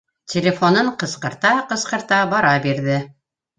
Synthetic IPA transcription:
tʲɪlʲefonɤɴqɤ̆sqɤ̆ɾt̪ɑqɤ̆sqɤ̆ɾt̪ɑbɑɾɑbiɾðɘ

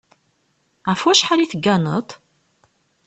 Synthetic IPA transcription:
ʕəfwæʃħaliθəɡːænə̰t̪ˤ

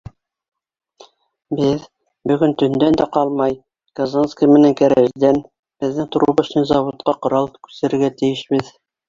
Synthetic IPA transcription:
bɘð | bɵ̆ɡɵnt̪ɵ̆nd̪ænd̪æqɑlˠmɑj | ɡ̥ɐzanskijmɘ̆næŋkæɾæʒd̪æn | b̥ɘ̆ðːɘŋt̪ŏɾuʁɤsɤnzɑβot̪̚qɑqŏɾɑlˠkʉ̥sɘ̆ɾɘ̆ɾɡæt̪ɘ̆jɘ̆ʃbɘð

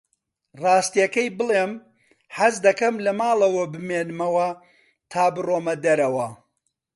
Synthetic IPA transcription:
rɑːst̪ijɐkɐjbɨlˠeːm | ħɐzd̪ɐkɐmlɐmaːlˠɐwɐbɨmeːnɨmɐwɐ | t̪ʰaːbɨroːmɐd̪ɐɾɐwɐ

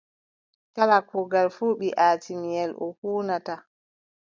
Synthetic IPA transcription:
kalakʰɔɡalfuːɓiʔaːtimijɛlʔɔ̰huːnata

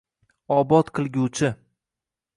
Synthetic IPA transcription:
ɒbɒt̪qʰɨlˠɡʲut͡ʃʰɪ

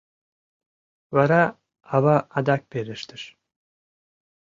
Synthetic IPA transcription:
vaɾa | avaʔad̪ak̚beɾiʃt̪iɾ̥

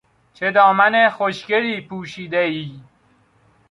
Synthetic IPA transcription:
t͡ʃʰed̪ɒːmænexoʃceɾiːpʰuːʃiːd̪eiː

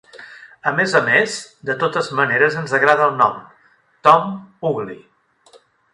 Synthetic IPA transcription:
əmezəmezd̪ət̪ot̪əzməneɾəzənzəɣɾaðəlˠnɔm | t̪ɔmuɣli

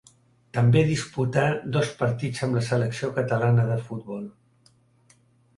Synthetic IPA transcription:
t̪əmbeðisput̪ad̪ɔspəɾt̪id͡zəmləsələksiokət̪əlanəðəfut̪̚βɔlˠ

